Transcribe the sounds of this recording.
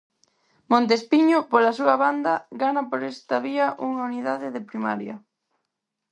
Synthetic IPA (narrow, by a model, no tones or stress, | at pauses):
mõnt̪̬espiɲopolɐsuɐβand̪ɐɡanɐpoɾɛst̪ɐβiɐʔuŋauniðaðɪðepɾima̰ɾjɐ̰